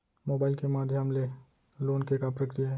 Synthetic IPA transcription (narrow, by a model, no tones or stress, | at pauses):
moːbaːɪlkemaːd̪ʱjəmle | loːnkekapɾɐkɾijaɦɛ